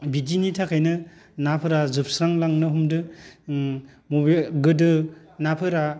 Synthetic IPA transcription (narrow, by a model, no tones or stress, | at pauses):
bidinitʰakʰajnɯnapʰɯɾazɯp̚sɾaŋlaŋnɯɦumdɯ | mobiɡɯdɯ | napʰɯɾa